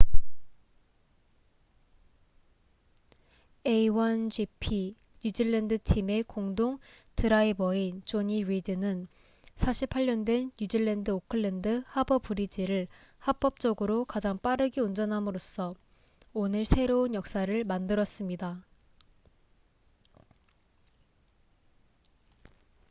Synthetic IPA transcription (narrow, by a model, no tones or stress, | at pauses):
eiwʌnd͡ʑipʰi | ɲud͡ʑiɭːendɯtʰime̞koŋdoŋtɯɾaibʌint͡ɕoɲiwidɯnɯn | sʰaɕʰipʰaʎːʌndwe̞nːud͡ʑiɭːendɯokʰɯɭːendɯhabʌpuɾid͡ʑiɾɯɭ | hap͈ʌp̚t͡ɕ͈ʌɡɯɾokad͡ʑaŋp͈aɾɯɡiund͡ʑʌnɦamɯɾos͈ʰʌ | onɯɭsʰe̞ɾounjʌk̚s͈aɾɯɭmandɯɾʌs͈ɯmɲida